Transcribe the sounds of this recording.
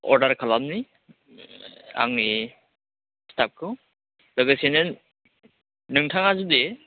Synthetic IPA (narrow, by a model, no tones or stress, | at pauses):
ɔ̰ɾdaɾkʰalamni | a̰ŋni | stʰap̚kʰɯ | lɔɡesenɯn | nɯŋtʰaŋazud̪e